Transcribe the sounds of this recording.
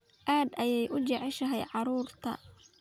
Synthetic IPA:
ʔaːd̪ɐjɛjʔʊt͡ʃɛʕɛʃɐɦɛjʕɑɾuːrt̪ʰɐ̰

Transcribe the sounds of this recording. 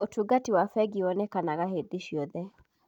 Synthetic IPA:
otʰuɡatiwafɛɡiwɔnɛkanaɣahed̪iʃiɔðɛ

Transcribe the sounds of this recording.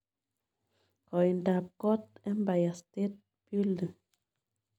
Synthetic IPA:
kɔjndap̚ɡ̥ɔt̪ɛnbajast̪et̪̚ | b̥yldə

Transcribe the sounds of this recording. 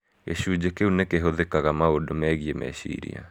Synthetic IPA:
eɕuːd͡ʑekeunekeɦoðekaɣamaodomɛɣiemɛ̰ɕḭɾḭa̰

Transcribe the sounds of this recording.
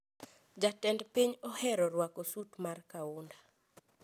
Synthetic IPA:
d͡ʒatɛndpiɲɔhɛɾɔɾwakɔsutmarkaʊnda

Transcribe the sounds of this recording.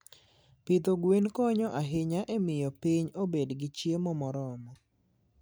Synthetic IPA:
pit̪oɡwenkɔɲɔʔaɦɪɲaʔemɪjɔpiɲobedɡɪt͡ʃjemɔmɔɾɔmɔ

